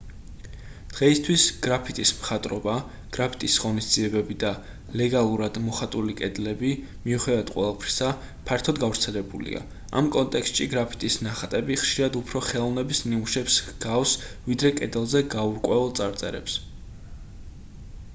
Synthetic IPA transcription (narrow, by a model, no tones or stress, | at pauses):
d̪̥ʁɛist̪ʰwisɡ̥ɾapʰit̪ʼismχat̪ʼɾɔba | ɡ̥ɾapʰi̥t̪ʼisʁɔnisd̪ziɛbɛbid̪a | lɛɡalˠuɾad̪mɔχat̪ʼulikʼɛd̪lɛbi | miuχɛd̪avad̪qʼwɛ̰lˠapʰɾisa | pʰaɾt̪ʰɔd̪ɡavɾt̪sʰɛlɛbṵlḭa̰ | a̰mkʼɔnt̪ʼɛkst̪ʼʃiɡɾapʰi̥t̪ʼisnaχat̪ʼɛbiχʃiɾad̪upʰɾɔχɛlˠɔnɛbisniuʃɛpsɡafsvid̪ɾɛkʼɛd̪ɛlˠzɛɡauɾkʼwɛvɛlˠt̪sʼaɾt̪sʼɛɾɛ̰ps